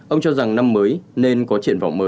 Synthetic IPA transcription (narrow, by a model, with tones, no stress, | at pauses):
ʔə˧wŋ͡mt͡ɕɔ˧za˨˩ŋna˧mːəː˨˦jne˧nkɔ˨˦t͡ɕḭ˧˨ənva̰˧˨wŋ͡mməː˨˦j